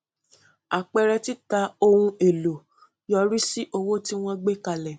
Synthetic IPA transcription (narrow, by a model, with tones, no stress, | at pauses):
a˨k͡pɛ˧ɾɛ˧ti˦ta˨˧o˧hũ˧e˨lo˨ | jɔ˧ɾi˦si˦ʔo˧wo˦ti˦w̃ɔ̃˦ɡ͡be˦ka˧lɛ˨